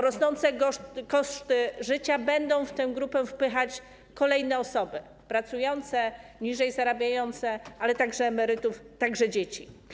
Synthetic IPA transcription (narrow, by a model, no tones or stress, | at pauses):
ɾɔsnɔnt̪sɛɔkɔʂt̪ɘʐɘt͡ɕabɛnd̪ɔ̃w̃ft̪ɛ̃w̃ɡɾupɛfpɘxat͡ɕ | kɔlɛjnɛɔsɔbɘ | pɾat̪sujɔnt̪sɛɲiʐɛjzaɾabʲjajɔnt̪sɛʔalɛt̪aɡʐɛːmɛɾɘt̪uft̪aɡʐɛd͡ʑet͡ɕi